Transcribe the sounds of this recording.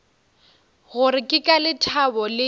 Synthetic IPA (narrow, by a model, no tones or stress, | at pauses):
ɣʊrɪkʼɪkʼalɪtʰabɔlɪ